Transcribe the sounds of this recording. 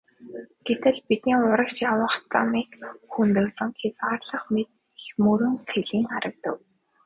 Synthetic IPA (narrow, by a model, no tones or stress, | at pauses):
ɡ̥et̪ɘ̆ɮpit̪niːŋʊɾə̆kʃjawə̆χt͡s̪a̰miːkxunt̪ɵ̆ːsə̆ŋxʰet͡sʁaːrɮə̆χmet̪̚ | ɮmɵɾɵ̆ŋxʰeɮiːŋχaɾə̆k̚t̪ə̰̆w